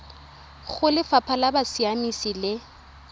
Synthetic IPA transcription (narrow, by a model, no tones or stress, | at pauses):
ɣʊlɪfapʰalabasiamisilɪ